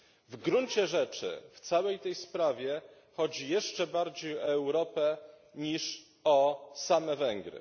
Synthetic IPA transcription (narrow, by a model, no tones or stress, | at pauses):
vɡɾuɲt͡ɕɛʐɛt͡ʂɘ̰ft̪sawɛjt̪ɛjspɾavʲjɛ | xɔd͡ʑijɛʂt͡ʂɛbaɾd͡ʑejɔɛwɾɔpɛ | ɲiʂ | ɔsamɛvɛŋɡɾɘ̰